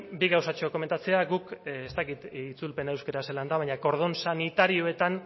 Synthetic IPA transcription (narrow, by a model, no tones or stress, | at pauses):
biɣawsat͡ʃo̞ko̞me̞nt̪at͡se̞aɣukest̪akit̪it͡sulpe̞nae̞wskeɾaseland̪aβajɲako̞ɾð̞o̞nsanit̪aɾio̞e̞t̪an